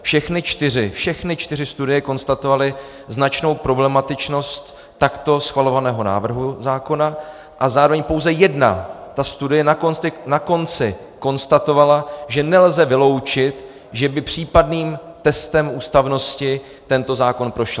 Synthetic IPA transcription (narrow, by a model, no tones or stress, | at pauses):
fʃɛxnɪt͡ʃt̪ɪr̝ɪfʃɛxnɪt͡ʃt̪ɪr̝ɪst̪udɪjɛko̞nst̪at̪o̞valɪ | znat͡ʃno̞wpɾo̞blɛmat̪ɪt͡ʃno̞st̪ː | akt̪o̞sxvalo̞vanɛːɦo̞na̰ːvr̩ɦuzaːko̞na | ʔazaːɾovɛɲpowzɛjɛdna̰t̪ast̪udɪjɛnakont͡sɪnako̞nt͡sɪ | ko̞nst̪at̪o̞valaʒɛnɛlzɛvɪlo̞wt͡ʃɪt̪ | ʒɛbɪpr̝̥iːpadniːmt̪ɛst̪ɛmuːst̪avno̞scɪ | t̪ɛnt̪o̞zaːko̞npɾo̞ʃl